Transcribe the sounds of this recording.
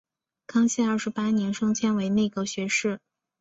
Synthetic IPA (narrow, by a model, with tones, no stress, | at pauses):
kʰɑ˥ŋɕɛ˥˧ɐ˞˥˩ʂɻ̩˧˥pa˥njɛ˧˥nʂɤ˥ŋt͡ɕʰjɛ˥nwe˧˥ɪne˥˩ɪɡə˧˩ɕɥɛ˧˥ʂɻ̩˥˩